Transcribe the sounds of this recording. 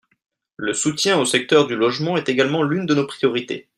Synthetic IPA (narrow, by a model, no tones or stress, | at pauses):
ləsut̪jɛ̃osɛk̚t̪œʁd̪ylɔʒmɑ̃ɛt̪eɡalmɑ̃lynd̪ənopχijɔʁit̪ḛ